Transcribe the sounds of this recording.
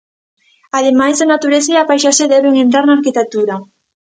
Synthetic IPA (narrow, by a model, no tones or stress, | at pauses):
aðemajzðanat̪uɾesaeapajʃaseðɛβeŋẽnt̪ɾaɾnaːɾkit̪ek̚t̪uɾa